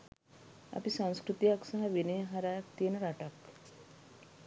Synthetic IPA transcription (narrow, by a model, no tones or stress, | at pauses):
a̰pisãw̃skɾut̪ijaksaɦaʋinejɦaɾat̪enɾaʈak